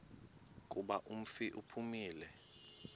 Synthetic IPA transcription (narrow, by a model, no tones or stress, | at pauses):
k̬ʼuɓaʔum̩fiʔupʰumiːlɛ